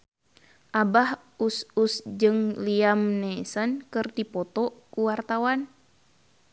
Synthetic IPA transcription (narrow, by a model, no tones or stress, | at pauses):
ʔabah | ususd͡ʒɨŋliamnɛsənkɨrdipɔt̪ɔkuwart̪awan